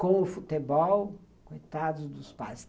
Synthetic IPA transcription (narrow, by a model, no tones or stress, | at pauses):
kõw̃ʊfut̪ebɔw | kojt̪ad̪ʊzd̪ʊspajs